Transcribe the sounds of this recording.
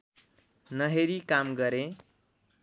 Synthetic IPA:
nʌɦeɾikamɡʌɾe

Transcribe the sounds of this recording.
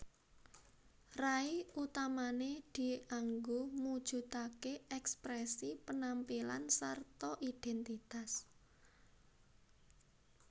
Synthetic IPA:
raiut̪amaned̪̥i̤aŋɡomud̥ʒ̥ṳt̪akeɛkspɾɛsipənampila̰nsart̪ɔʔid̥ɛnt̪it̪as

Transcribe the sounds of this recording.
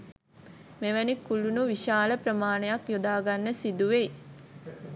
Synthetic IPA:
meʋænikːulunuʋiʃaːləpɾəmaːnəjakjod̪aːɡanːəsid̪uʋej

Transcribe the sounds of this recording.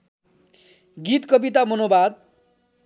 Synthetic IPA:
ɡit̪kʌbit̪amʌnobad̪̚

